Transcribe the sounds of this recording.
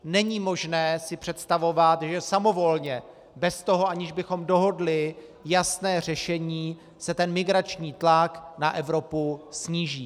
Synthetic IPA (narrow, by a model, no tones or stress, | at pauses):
nɛɲiːmo̞ʒnɛːsɪpr̝̥ɛt̪st̪avo̞vat̪ʒɛsamo̞vo̞lɲɛ | bɛst̪o̞ɦoʔaɲɪʒbɪxo̞mdo̞ɦo̞dlɪ | jasnɛːr̝ɛʃɛɲiː | sɛt̪ɛnmɪɡɾat͡ʃɲiːt̪laknaʔɛvɾo̞pusɲiːʒiː